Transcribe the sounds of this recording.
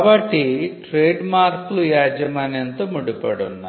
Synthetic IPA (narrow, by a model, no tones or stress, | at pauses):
bɐʈːiʈɾeːɖmaːɾkulujaːd͡ʒɐmɐnent̪omuɽupɐɽunːa